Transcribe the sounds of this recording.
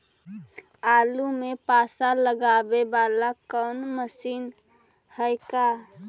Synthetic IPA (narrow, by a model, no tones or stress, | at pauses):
aːlumepaːsaləɡabebaːlakəʊnməsiːn | həjka